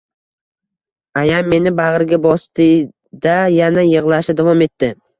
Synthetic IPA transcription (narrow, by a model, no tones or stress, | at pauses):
ajamːe̞nɪbaʁɨɾɡʲabɒst̪ɪ | d̪ajanajɨʁlˠaʃɪd̪avɒme̞t̪ːɪ